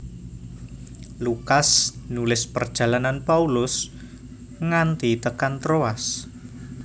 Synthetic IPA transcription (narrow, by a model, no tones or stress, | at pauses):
lukasnulɪspərd̥ʒ̥a̤lananpaulʊs | ŋant̪it̪əkant̪ɾoas